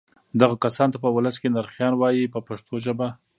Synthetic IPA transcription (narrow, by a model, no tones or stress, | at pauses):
d̪aɣakasɑnt̪apəwʊləskenaɾxjɑnwɑjipəpaʂt̪ʰoʒəba